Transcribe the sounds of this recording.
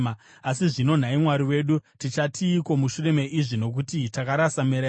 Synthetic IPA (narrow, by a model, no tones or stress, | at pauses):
asiʐino̞n̤aimwaɾiwe̞ːɗutit͡ʃatʰiːko̞muʃure̞me̞ʔiʐino̞k̬utitakaɾasameɾa